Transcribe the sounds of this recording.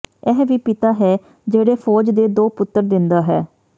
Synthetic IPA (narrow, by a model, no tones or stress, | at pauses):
ɛɦʋiːpɪt̪aːɦɛː | d͡ʒeːɽeːpʰɔːd͡ʒd̪eːd̪oːpʊt̪ːəɾd̪ɪnd̪aːɦɛː